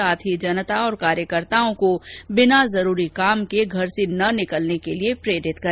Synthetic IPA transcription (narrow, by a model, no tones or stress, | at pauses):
aːt̪ʰɦid͡ʒɐnət̪aɔːɾkaːɾjəkəɾt̪aːõkobɪnazɐɾuːɾikaːmkeɡʱɐɾsenɐnɪkəlnekeliepɾeːɖɪt̪kɐɾ